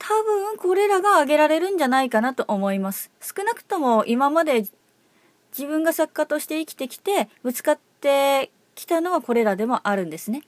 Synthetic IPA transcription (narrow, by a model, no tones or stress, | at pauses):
t̪ʰabɯ̟̃ŋko̞ɾe̞ɾaɡaːɡe̞ɾaɾe̞ɾɯ̟̃ɲ̟d͡ʑanaikanat̪o̞ʔomo̞imasɨ̥sɨ̥kɯ̟nakɯ̟̥t̪o̞mo̞ʔimamad̪e̞ | d͡ʑibɯ̟̃ŋɡasakːat̪o̞ɕi̥t̪e̞ikʲi̥t̪e̞kʲi̥t̪e̞bɯ̟t͡sɨ̥kat̪ːe̞ | kʲi̥t̪ano̞ɡako̞ɾe̞ɾad̪e̞mo̞ʔaɾɯ̟̃nd̪e̞sɨne̞